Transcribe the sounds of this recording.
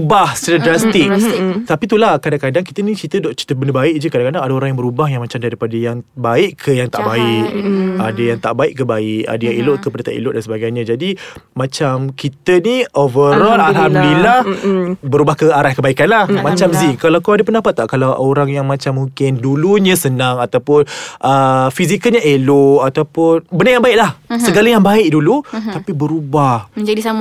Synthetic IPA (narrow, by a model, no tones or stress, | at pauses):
ubahst̪ət̪adɾast̪ik̚t̪apit̪ulakadaŋkadaŋkit̪ənĩt͡ʃit̪ədɔt͡ʃi̥t̪əbəndəbaɪʔd͡ʒəkadãŋkadaŋadaoɾaŋjãbəɾubaɦjaŋmat͡ʃamdaɾipadəjaŋbaɪʔkʰːəjaŋt̪aʔbaɪʔadəjaŋt̪aʔbaɪʔkːəbaɪʔa̰dajaŋilʊʔ̪̚kəpadat̪a̰ʔḭlʊʔ̚dansəbaɡajɲãd͡ʒadimãt͡ʃamkit̪əniʔovəɾɔlalɦamdilahbəɾubahkəaɾahkəbaikanlahmãt͡ʃamziŋkalakoadapəndapat̪ːaʔkalawʔoɾaŋjaŋmãt͡ʃamːuŋkɪnduluɲəsənãŋat̪awpʊnʔəfizikəlɲaʔeloʔat̪awpʊnbənəjaŋbaɪʔ̚lahsəɡalajaŋbaɪʔ̚dulut̪apibəɾubahəɲd͡ʒadisa